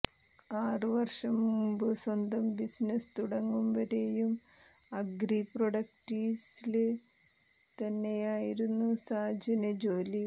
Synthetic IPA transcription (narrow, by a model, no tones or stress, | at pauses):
aːrɨʋɐrʂɐmːumbɨswɐnd̪ɐmbisnɐst̪uɽɐŋːumʋɐɾe̞jum | ɐɡɾiproɽɐk̚ʈisilɨ | t̪ɐnːe̞jaːjiɾunːusaːd͡ʑɐnɐd͡ʑo̞ːli